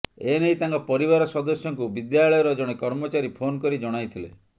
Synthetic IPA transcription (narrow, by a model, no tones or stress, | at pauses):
enejt̪aŋkɔpɔɾiβaɾɔsɔd̪ɔsjɔŋkubid̪jaɭɔjɔɾɔd͡ʒɔɽ̃ekɔɾmɔt͡ʃaɾipʰonkɔɾid͡ʒɔɽ̃ajt̪ʰilḛ